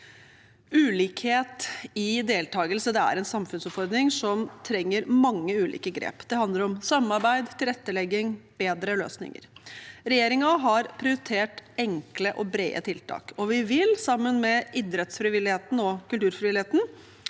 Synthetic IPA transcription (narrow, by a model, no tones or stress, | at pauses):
ʉːliːkheːt̪ɪd̪eːlt̪ʰɑːɡəlsəd̪ɛæ̰ɾɛnsɑmfʉnsɔpfɔɾd̪ɾɪŋsɔmt̪ʰɾɛŋːəɾmɑŋːəʉːlḭːkəɡɾḛːpd̪̥ɛhɑnd̪ləɾɔmsɑmːɑɾbæɪd̪t̪ʰɪlɾɛt̪ːəlɛɡːɪŋb̥eːd̪ɾəlø̰ːsnɪ̰ŋə̰ɾɾɛjeːɾɪŋɑɦɑɾpʰɾɪʊɾɪt̪ʰeːʈɛŋkləʔɔbɾḛːə̰t̪ʰɪlt̪ʰɑ̰ːkɔʋɪʋɪlsɑmːənmɛʔɪd̪ɾɛt̪sfɾɪʋɪlɪheːt̪n̩ɔkʉlt̪ʉːɾfɾɪʋɪlɪheːt̪n̩